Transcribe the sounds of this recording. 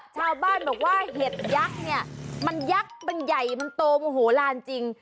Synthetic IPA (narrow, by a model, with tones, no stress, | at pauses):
t͡ɕʰaː˧wbaː˥˩nbɔː˨˩k̚waː˥˩ɦe˨˩t̪̚ja˦˥k̚ni˥˩ɐma˧nja˦˥k̚ma˧nja˨˩jma˧nt̪oː˧mu˧ɦoː˩˦laː˧nt͡ɕi˧ŋ